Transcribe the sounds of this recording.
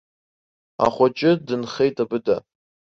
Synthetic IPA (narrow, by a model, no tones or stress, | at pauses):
a̰χʷat͡ʃʼɪdɨnχe̞jtʼabɨda